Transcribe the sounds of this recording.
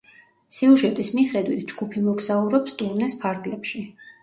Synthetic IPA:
siuʒɛt̪ʼismiχɛd̪wit̪ʰd͡ʒɡ̥upʰimɔɡzauɾɔpst̪ʼuɾnɛspʰaɾɡlɛpʃi

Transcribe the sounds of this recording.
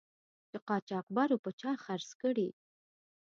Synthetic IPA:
d̪̥əqɑt͡ʃɑqbɑɾopət͡ʃɑxaɾskəɽi

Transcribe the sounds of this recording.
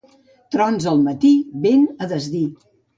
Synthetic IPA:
t̪ɾɔnzəlˠmət̪iβenəðəzði

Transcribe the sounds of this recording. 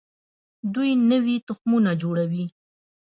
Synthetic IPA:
d̪ujnəwit̪ʊxmunad͡ʒoɽawi

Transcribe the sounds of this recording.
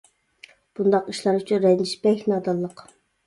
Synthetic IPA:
b̥und̪ɑqiʃlˠɑɾyt͡ʃʰynɾɛj̪iʃbɛçʲnɑd̪ɑlˠːəq

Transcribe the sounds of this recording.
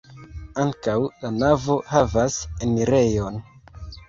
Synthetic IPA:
aŋkawlanavo̞havaseniɾe̞jo̞n

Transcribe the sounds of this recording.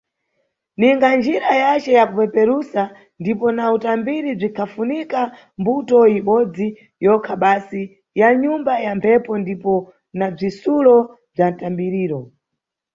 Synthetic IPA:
niŋɡand͡ʒiɾajat͡ʃɛjakupɛpɛɾusa | ndipɔnautambiɾib͡ʐikʰafunika | mbutɔiɓɔd͡zi | jɔkʰaɓasi | jaɲumbajampʰɛpɔndipɔ | nab͡ʐisulɔ | b͡ʐantambiɾiːɾɔ

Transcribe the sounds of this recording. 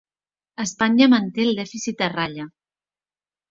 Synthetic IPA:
əspaɲəmənt̪eəlˠd̪ɛfisit̪̚əraʎə

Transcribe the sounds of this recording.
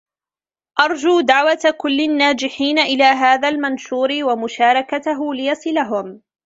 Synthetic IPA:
ʔɑɾˤd͡ʒuːd̪aʕwat̪akʊlːɪnːaːd͡ʒɪħiːnaʔɪlaːɦaːðaːlmanʃuːɾɪwamʊʃaːɾˤɑkat̪aɦʊlɪjasˤɪlaɦʊm

